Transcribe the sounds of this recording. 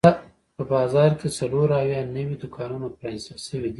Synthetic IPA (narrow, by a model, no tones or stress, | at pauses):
a | pəbɑzɑɾkesaloɾawjɑnəwid̪ʊkʰɑnunapɾanɪst̪əlʃəwid̪i